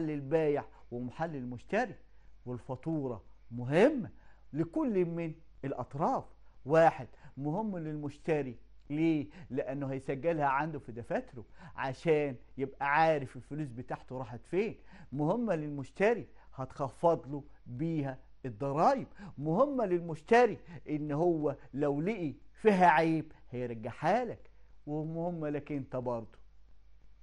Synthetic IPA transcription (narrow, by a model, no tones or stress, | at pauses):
ħalːɪlbæːjɪʕwɪmaħalːɪlmʊʃt̪æɾi | wɪlfɑt̪ˤuːɾˤɑmʊɦɪmːælɪkʊlːmɪn | ɪlʔɑt̪ˤɾˤɑːfwaːħed̪̥mʊhɪmːlɪlmʊʃt̪æɾileːlɪʔænːʊhæjsæɡːɪlhæʕand̪ʊfid̪æfæt̪ɾʊʕaʃæːnjebʔæʕaːɾɪfɪlfʊluːs̬bɪt̪aːʕt̪oɾˤɑːħet̪feːnmʊhɪmːælɪlmʊʃt̪æɾi | hɑt̪xɑfːɑd̪ˤlu | biːɦæ | ed̪ˤːɑɾˤɑːjɪbmʊhɪmːælɪlmʊʃt̪æɾiʔɪnːhowːælæwliʔifiːɦæʕeːbhæjeɾˤɡːaħaːlækwɪmʊhɪmːælæknt̪æbɑɾˤd̪ˤu̥